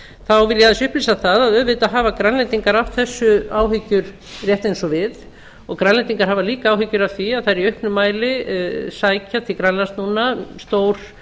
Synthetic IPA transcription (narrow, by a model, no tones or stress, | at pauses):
θawvɪljaðɪsʏhpliːsaθaðaðœðvɪt̪aɦaːvakɾanlɛnt̪iŋkaɾaft̪θɛsːʏaːwɦʏcːʏɾ | rjɛht̪ejnsɔvɪð | ɔɣkɾanlɛnt̪iŋkaɾ̥ɦaːvaliːkaaːwɦʏcːʏɾavθiaðθaðɛɾiœhpnʏmaːjlɪsaːjcʰat̪ʰɪkɾanlast̪nuːnast̪oːwɾ̥